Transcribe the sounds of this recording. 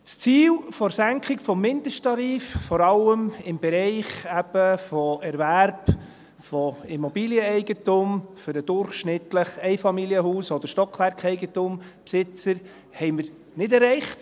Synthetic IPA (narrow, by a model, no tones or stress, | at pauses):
t͡st͡siːlfɔɾsæŋkχɪkfɔmːɪndəʃtɑɾiːffɔɾɑləmɪmbɛɾɛɪχæb̥əfɔɛɾvæɾb | fɔimɔbiːljəɛɪɡətʊmfʏɾəd̥ʊɾχʃnɪtləχɛɪfɑmiliəhuːsɔd̪əɾʃtɔkʰʋæɾkɛɪɡətumpsɪt͡səɾ | hɛɪməɾ | nɪdɛɾːɛɪχt